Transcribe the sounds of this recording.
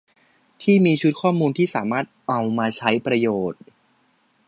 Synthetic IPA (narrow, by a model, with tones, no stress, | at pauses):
t̪ʰiː˥˩miː˧t͡ɕʰu˦˥t̪̚kʰɔː˥˩muː˧nt̪ʰiː˥˩saː˩˦maː˥˩t̪̚ʔa˧wmaː˧t͡ɕʰa˦˥jpɾa˧joː˨˩t̪̚